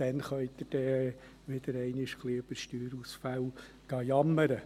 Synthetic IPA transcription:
d̪̥ɛnχœʏd̪ɪɾd̥ɛː | ʋɪd̪̥əɾɛɪnɪʃkliːɵb̥əʃtyːɾusfæl | ɡ̥ɑːjɑmːəɾə

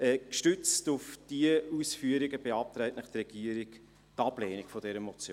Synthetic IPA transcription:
ɛkʃtʏt͡stʊfd̥iəusfyəɾiɡəb̥eɑp̚t̪ɾɛɪtnəχt̪rɛɡ̥iəɾiɡ | tɑbleːnikfɔd̥ɛɾəmɔt͡sjo

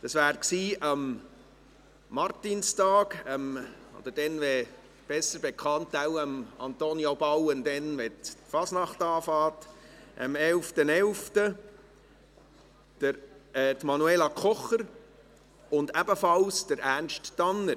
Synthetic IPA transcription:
d̥ɑsʋæːɾksiːʔɑm | ɑrtinstɑːɡəmo̰d̥̪əd̥ɛnʋɛ | b̥ɛsəɾb̥ekʰχɑntæwəmɑ̰nt̪onjobɑwənd̪ɛnʋɛtfɑsnɑχtɑːfɑːtʔə̰mɛlftənɛlftə | d̥əɾtmɑnuelɑkχɔχəɾ | ʊndæbəfɑlsd̥əɾʔærnʃtːɑnːəɾ

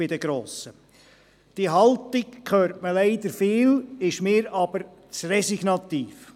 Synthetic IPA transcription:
ɪd̥əɡ̥ɾoːsə | d̥iɦɑltɪkkʰøːrtməleɪd̪əɾfiːlɪʃmɪːɾɑb̥əɾ | t͡srɛsiɡnɑt̪iːf

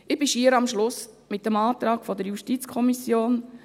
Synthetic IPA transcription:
ɪbɪʃiːəɾɑmʃlʊs | mɪt̚ːəmɑːt̪ɾɑːkfɔd̪əɾjuʃtit͡skʰɔmisjoːn

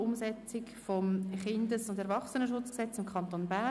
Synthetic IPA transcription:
ʊmsɛt͡sɪkfɔmχɪndəsʊndɛɾʋɑχsənəʃʊt͡sksɛt͡sɪmkʰχɑntoːnbæ

